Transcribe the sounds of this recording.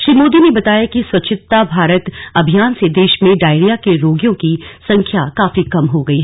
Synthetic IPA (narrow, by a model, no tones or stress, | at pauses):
ʃɾiːmoːd̪inebɐt̪aːjakiswɐt͡ʃʰɪt̪ːabʱaːɾət̪ɐbʱijaːnsed̪eːʃmẽɖaːɪɽijakeɾoːɡjõkisɐ̃ŋkʰjakaːfikɐmɦoɡɐiːɦɛ